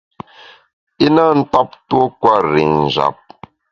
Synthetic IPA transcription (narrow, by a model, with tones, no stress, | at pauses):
i˦na˦˨n̩˦tɔ˦p̚two˦kwa˦˨ɾi˨ŋn˨d͡ʒa̰˨p̚